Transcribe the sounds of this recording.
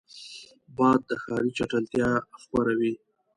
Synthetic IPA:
bɑd̪̚ːəxɑɾit͡ʃaʈalt̪jɑxwaɾawi

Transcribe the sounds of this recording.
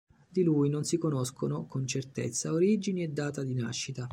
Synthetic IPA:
d̪ilujnonsikonoskʰonokont͡ʃert̪ḛt̪sːaoɾid͡ʒiniɛd̪ːaːt̪ad̪ina̰ʃːit̪a

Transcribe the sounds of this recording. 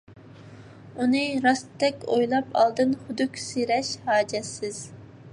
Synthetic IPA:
unɨɾɑst̪ʰːɛkʲojlˠɑpʰɑ̰lˠd̪ɨnχʊd̪ukʲseɾɛʃhɑːd͡ʒɛsɪz̥

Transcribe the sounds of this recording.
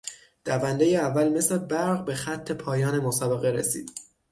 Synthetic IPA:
d̪̥ævænd̪ejeævːælme̞sle̞bæɾʁbe̞xæt̪ʰːe̞pʰɒːjɒːne̞mosɒːbe̞ɣe̞ɾesḭːd̪

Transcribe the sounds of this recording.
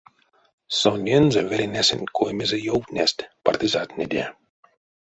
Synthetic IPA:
sonʲjenzevʲeɾʲenʲæsʲɘ̰̆nʲkʰojmʲezejowt̪nʲest̪ʲpart̪ʲizɑt̪nʲed̪ʲḛ

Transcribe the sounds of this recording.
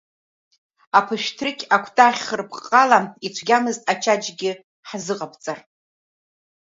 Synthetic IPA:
apʰɨʃtʰrɨkʲʰʼakʷʰtʼaχʲχərpʰqʼːalait͡ɕʷʰɡʲamɨztʼat͡ʃʰad͡ʒɡʲɪ | ħzɨqʼapʰt͡sʼar

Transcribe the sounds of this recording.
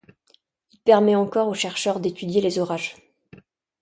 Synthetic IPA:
ilpɛʁmɛɑ̃kɔʁoʃɛʁʃœʁd̪et̪yd̪jelezɔʁaʒ

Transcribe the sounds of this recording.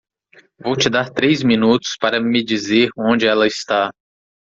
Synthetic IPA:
vowt͡ʃɪd̪aɾt̪ɾejzmĩnut̪ʊ̥spaɾɐmɪd͡ʒizeɾõnd͡ʒɪɛlɐɪst̪a

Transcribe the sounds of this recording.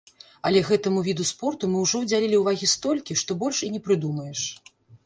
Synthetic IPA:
ɐlʲɛɣɛt̪ɐmuvʲid̪uspɔrt̪umɨwʐɔwd͡zʲalʲilʲiuwvaɣʲist̪ɔlʲkʲiʂt̪ɔbɔlʲʂinʲɛpɾɨd̪umɐjɛʂ

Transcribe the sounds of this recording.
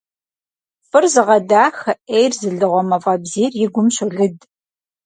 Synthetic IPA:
fɨrzɨʁɐdaːxɐʔeːjrzɨɮɨʁʷɔmɐvɐbziːrjɪɡʷʊmɕʊɮɨd

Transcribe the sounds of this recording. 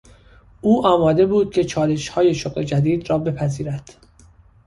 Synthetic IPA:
uːʔɒːmɒːd̪e̞buːd̪̥̚cʰet͡ʃʰɒːle̞ʃhɒːje̞ʃoɣle̞d͡ʒæd̪iːd̪ɾɒːbe̞pʰæziːɾæd̪̥

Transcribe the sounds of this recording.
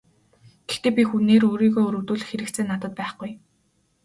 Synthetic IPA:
ɡ̥ext̪eːpʲixuneːɾoːɾiːɣoːɵɾɵ̆wt̪uːɮɘ̆xeɾɘ̆k̪t͡sʰeːnːat̪ə̆t̪̚pæːχɡuj

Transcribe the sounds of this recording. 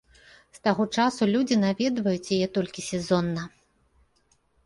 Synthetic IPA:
st̪aɣɔt͡ʂasulʲud͡zʲinavʲɛd̪vɐjut͡sʲjajɛt̪ɔlʲkʲisʲɛzɔnːɐ

